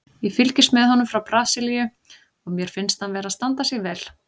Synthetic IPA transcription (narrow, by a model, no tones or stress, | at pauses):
jɛfɪlcɪsmɛðɦɔnʏmfɾawpɾaːsɪlijʏ | ɔɣmjɛɾ̥fɪnst̪hanvɛːɾaðst̪ant̪asɛɣvɛːl